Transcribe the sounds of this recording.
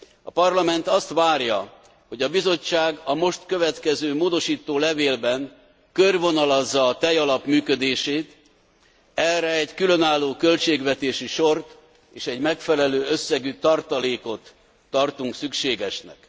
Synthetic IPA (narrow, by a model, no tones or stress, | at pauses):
ɒpɒrlɒmɛnt̪ɒst̪ʋaːrjɒ̰ | ho̞ɟɒbizo̞t͡ʃːaːɡɒmo̞ʃt̪kø̞vɛt̪kɛzøːmoːd̪o̞ʃiːt̪oːlɛveːlbɛn | kørvo̞nɒlɒzːɒːt̪ɛjɒlɒpmyːkød̪eːʃeːt̪ | ɛrɛɛɟkylø̞naːlːoːkø̞lt͡ʃeːɡʋɛt̪eːʃiʃo̞rt̪ | eːʃɛɟmɛkfɛlɛløːø̞sːɛɡyt̪ɒrt̪ɒleːko̞t̪ː | ɒrt̪uŋksykʃeːɡɛʃnɛ̰k